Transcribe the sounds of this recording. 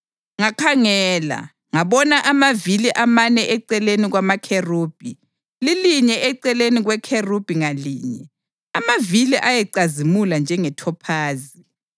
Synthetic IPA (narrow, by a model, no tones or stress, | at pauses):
ŋakʰaŋɛːla̰ | ŋaβɔnaʔamaviliʔamanɛʔɛǀɛleniɣwamakʰeruːb̥ʱi | liliɲɛʔɛǀɛleniɣwɛkʰerub̥ʱiŋalḭːɲɛ | amaviliʔajɛǀazimuland͡ʒʱɛŋɛtʰɔpʰaːzi